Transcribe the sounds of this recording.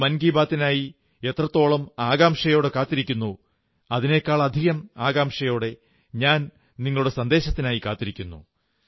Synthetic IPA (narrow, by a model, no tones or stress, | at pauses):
mɐnɡiːbaːt̪ːinaːji | e̞t̪rɐt̪ːo̞ːɭɐmaːɡaːmʂɐjo̞ːɽe̞kaːt̪ːiɾikʲːunːu | ɐðine̞ːkːaːɭɐd̪ʱiɣɐmaːɡaːmʂɐjo̞ːɽe̞ | ɲaːn | niŋːɐɭuɽe̞sɐnd̪e̞ːɕɐt̪ːinaːjikaːt̪ːiɾikʲːunːṵ